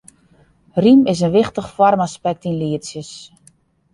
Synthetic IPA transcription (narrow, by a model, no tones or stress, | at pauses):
rimɪs̬ənʋɪxtəχfɔrmaspɛk̚tinliəsjəs